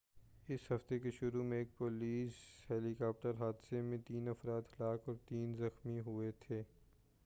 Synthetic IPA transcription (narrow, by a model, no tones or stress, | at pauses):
ɪshɐft̪ekeʃʊɾumẽeːk̚poːliːshɛːlikaːp̚ʈəɾɦaːd̪semẽt̪iːnɐfɾaːd̪hɐlaːkɔːɾt̪iːnzɐxmiɦuet̪ʰeː